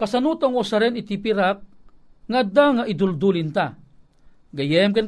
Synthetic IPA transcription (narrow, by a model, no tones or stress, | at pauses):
kasanut̪aŋosaɾɛnit̪ipiɾak̚ | ŋad̪aŋaʔid̪uld̪ulint̪a | ɡɐjɛmkan